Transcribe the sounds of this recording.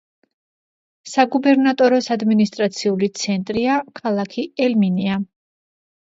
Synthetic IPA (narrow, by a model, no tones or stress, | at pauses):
saɡubɛɾnat̪ʼɔɾɔsad̪minist̪ʼɾat̪sʰiulit̪sʰɛnt̪ʼɾiakʰalˠakʰiɛlminia